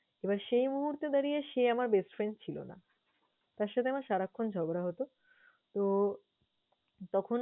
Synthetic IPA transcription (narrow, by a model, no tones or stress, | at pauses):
ebaɾʃejmuɦuɾt̪ed̪aɾijeʃeamaɾbesʈfɾenɖt͡ɕʰilo̰na̰ | t̪aɾʃat̪ʰeamaɾʃaɾakʰːond͡ʑʱɔboɾaɦot̪o | t̪o | t̪ɔkʰon